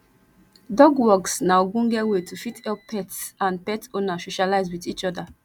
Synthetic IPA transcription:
dɔɡwɔksnaʊɡũnɡɛtwetʰufitɛppɛtsãnpɛtonasoʃalaɪzwitit͡ʃɔda

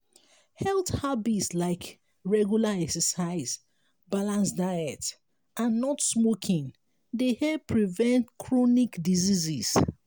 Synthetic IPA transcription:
hɛlthabitslaɪk | ɹɛɡjulaɛksəsaɪz | balãnsdaɪɛt | ãnːɔtsmokʰĩŋ | dehɛpʰɹivɛ̃ntkʰɹɔnikdizizis

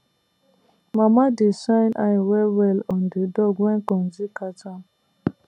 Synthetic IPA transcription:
mamadisaɪnʔa̰wɛwɛlɔn̩dɪdɔɡʷɛŋ̩kɔn̩zikata

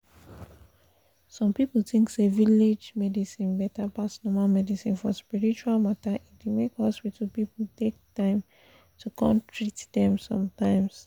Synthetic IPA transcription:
sɔ̃mpipl̩θĩŋkseviled͡ʒmɛdisĩnbɛtapasnɔmalmɛdisĩnfɔspiɹit͡ʃualmataʔitdumekhɔspitʰəlpipl̩tek̚tãɪ̃m | tʰukʰɔ̃ntʰɹitdɛ̃msɔ̃mtãɪ̃ms

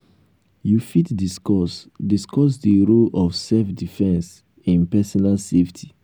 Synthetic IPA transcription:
jufitdiskɔsdiskɔs̬diɹolɔfsɛlfdifɛ̃ns | ĩnpɛsɔnalseftʰi̥

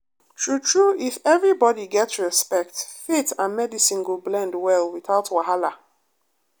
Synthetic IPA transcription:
tʰɹutʰɹuʔifɛvɹibɔdiɡɛtsɹɛspɛk̚tfetãnmɛdisĩnɡublɛ̃ndwɛlwiθaʊtwaɦala

